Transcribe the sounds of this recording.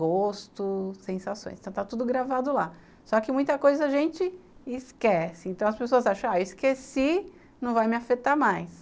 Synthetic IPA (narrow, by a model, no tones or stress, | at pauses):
ɡost̪ʊsẽsasõ̰j̃st̪ɐ̃w̃t̪at̪ud̪ʊɡɾavad̪ʊla | sɔkɪmũj̃t̪ɐkojzɐːʒẽnt͡ʃɪɪskɛsɪẽnt̪ɐ̃w̃ɐspesoɐzaʃɐ̃w̃aewiskesi | nɐ̃w̃vajmɪafet̪aɾmajs